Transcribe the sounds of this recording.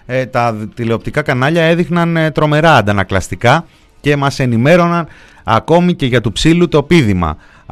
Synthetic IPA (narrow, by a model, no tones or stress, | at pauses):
t̪ɐt̪ile̞op̚t̪ikɐkɐnɐʎɐe̞ðixnɐnt̪ɾo̞me̞ɾɐːnd̪ɐnɐklɐst̪ikɐ | ce̞mɐse̞nime̞ɾo̞nɐn | ɐ̰ko̞mice̞ʝɐt̪upsilut̪o̞piðimɐ̰